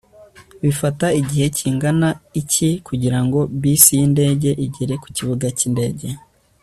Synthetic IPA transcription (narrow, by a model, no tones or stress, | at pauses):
βifataiɟihe̞ciːŋɡanaicikuɟiɾaŋɡo̞βiːsijinde̞ːɟe̞ʔiɟeɾe̞ku̥ciβuɡacinde̞ːɟe̞